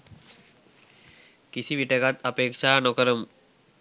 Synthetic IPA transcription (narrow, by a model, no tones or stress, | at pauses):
kisiʋiʈekat̪ɐpeːkʂaːnɔkəɾəm